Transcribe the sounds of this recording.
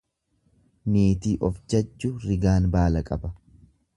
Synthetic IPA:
meːt̪iːʔɔfd͡ʒɐd͡ʒːʊɾɪɡaːnbaːlɐkʼɐbɐ

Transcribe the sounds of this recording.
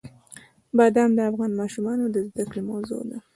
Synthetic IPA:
bad̪ɑmd̪əafɣɑnmɑʃumɑnod̪əzd̪akɽemawzo̰d̪a

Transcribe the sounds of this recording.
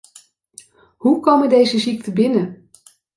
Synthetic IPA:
ɦukowməndejzəzik̚təbɪnə

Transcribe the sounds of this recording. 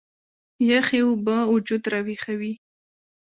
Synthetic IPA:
jaxewʊbaʊd͡ʒud̪ɾawixawi

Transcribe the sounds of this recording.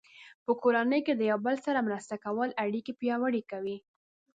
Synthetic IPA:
pəkoɾanəjked̪əjawbəlsaɾamɾəst̪akawəlaɽikipjɑwəɽikawi

